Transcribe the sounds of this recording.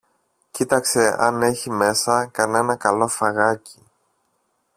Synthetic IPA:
cit̪ɐkse̞ɐ̰ne̞çime̞sɐkɐne̞nɐkɐlo̞fɐɣɐci̥

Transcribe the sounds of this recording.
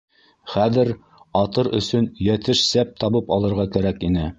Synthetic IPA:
χæðɘɾ | ɑt̪ɤɾɵ̰̆sɵnjæt̪ɘʃsæp̚t̪ɑβɤpɑlˠɤ̆ɾʁɑkæɾækinɘ

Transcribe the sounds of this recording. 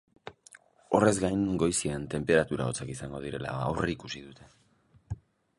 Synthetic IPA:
o̞re̞zɡajŋɡo̞jsient̪e̞mpe̞ɾat̪uɾa̰ot͡sakisaŋɡo̞ðiɾe̞la̰a̰wreikusiðut̪ʰe̞

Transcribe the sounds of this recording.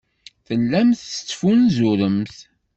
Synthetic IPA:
θəlːæmθst͡sːfunzʊɾəmθ

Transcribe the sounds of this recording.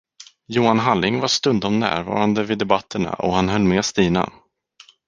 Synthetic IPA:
juːanɦalːɪŋvaʂt̪ɵnd̪ɔmnæ̰ːɾvɑ̰ːɾand̪əvɪd̪ɛbat̪ʰːəɳa̰ʔɔhanɦœlːmɛːst̪iːna̰

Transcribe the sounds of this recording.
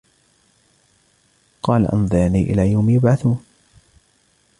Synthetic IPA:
qɑːla̰ʔɑ̰nðˤɑʕniːʔɪ̰laːjawmjʊbʕaθuːn

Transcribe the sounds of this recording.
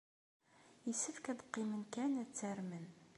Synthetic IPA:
isəfkæðəqːimənkænæt͡sːəɾmən

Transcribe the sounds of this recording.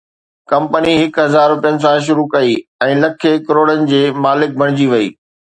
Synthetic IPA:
kɐ̃mpəniɦɪkɦɐzaːɾɾʊpijənɪ̆s̬ãʃ̬ʊɾukɐiɛ̃ːlɐkʰekɐɾoːɽənɪ̆d͡ʑeːmaːlɪk̚bʱɐɽ̃ɪd͡ʑiʋɐḭː

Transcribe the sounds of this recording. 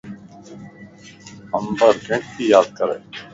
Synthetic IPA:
əmbəɾɡʱẽʈ̚kiːjaːd̪̚kəɾḛː

